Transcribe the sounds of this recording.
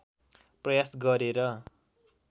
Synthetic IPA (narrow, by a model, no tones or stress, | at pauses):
prʌjasɡʌɾeɾʌ